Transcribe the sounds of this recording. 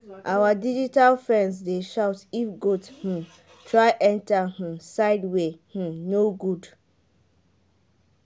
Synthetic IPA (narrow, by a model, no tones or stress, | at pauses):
ʔawadid͡ʒitalfɹɛ̃nzdeʃaʊtifɡoth̩ | tʰɹaɪʔɛ̃ntahũsaɪdweh̩noɡud